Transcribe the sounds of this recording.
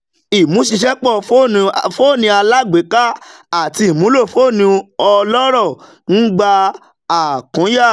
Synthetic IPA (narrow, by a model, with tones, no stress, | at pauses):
i˨mũ˨˦ʃi˧ʃɛ˦k͡pɔ˦˨fõ˦˧fo˦˨nĩ˧a˧la˦˨ɡ͡be˨˦ka˦a˦˨ti˧i˨mũ˨˦lo˦˨fo˦˨nĩ˧ɔ˧lɔ˦ɾɔ˦˨ | n̩˦ɡ͡ba˧ | a˨kɔ̃˨˦ja˦˨